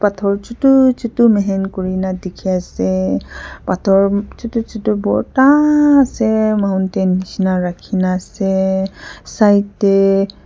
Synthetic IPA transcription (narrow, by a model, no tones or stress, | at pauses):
patʰɔɹt͡ʃutut͡ʃutumɛɦɛnkoɹinadekʰiasɛ | patʰɔɹt͡ʃutut͡ʃitubɔ̰ɹtaːsɛmauntɛnisinaɹakʰinaːsɛ | sajtɛ